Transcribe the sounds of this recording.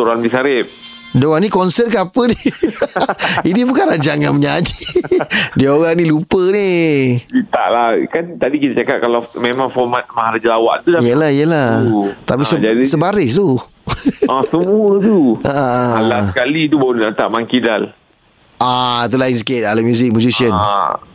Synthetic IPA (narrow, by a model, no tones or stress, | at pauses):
toɾanbisaɾɪp̚ | dəwanikɔnsət̚kaapəni | inibukanɾad͡ʒaŋanməɲad͡ʒi | diaoɣaŋnĩlupəniit̪a̰ʔlakant̪adikit̪at͡ʃakaʔ̚kalamemãŋfɔmat̪̚mahalad͡ʒəlawa̰ʔt̪ulaijəlahijəlat̪apisəaisəbaɾɪst̪u | asəmuət̪uaʔəlakalit̪ubaunaʔt̪a̰ʔmaŋkidal | ʔat̪̬ulais̬ket̪̚alamjuzɪk̚mud͡ʒusiən